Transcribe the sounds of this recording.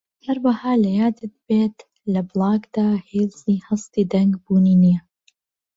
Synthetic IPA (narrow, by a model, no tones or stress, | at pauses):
hɐɾwɐhaːlɐjaːd̪ɨt̪̚beːt̪ | lɐblˠɑːɡd̪aːhiːlziːhɐst̪iːd̪ɐŋɡbuːniːnijɐ